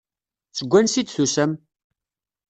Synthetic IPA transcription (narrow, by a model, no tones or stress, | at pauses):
t͡sːəɡʷːænsid̪θusəm